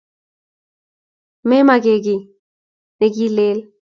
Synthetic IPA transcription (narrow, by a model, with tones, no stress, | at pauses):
me˦ma˨ɡe˨ɡi˨ | ne˨ɡi˦leː˦l